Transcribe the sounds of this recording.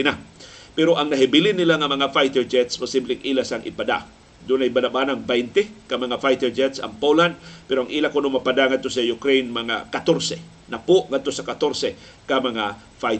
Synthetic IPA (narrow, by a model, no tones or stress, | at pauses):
ɪnapɛɾoʔɐŋnɐɦɪbilɪnːɪlaŋɐmɐŋafajt̪ɛɹd͡ʒɛt̪sposiblɪŋʔiːlasɐŋʔɪ̰pad̪a̰ | d̪ʊnɐjbɐnɐbanɐŋbɛjnt̪ɛkɐmɐŋafajt̪ɛɹd͡ʒɛt̪sɐ̰ŋpoland̪̚pɛɾoɐŋʔiːlakonomɐpad̪aŋɐd̪t̪osɐjʊkɾejnmɐŋa̰kɐt̪oɾsɛ | nɐpoʔŋɐd̪̚t̪osɐkɐt̪oɾsɛ | kɐmɐŋa | faj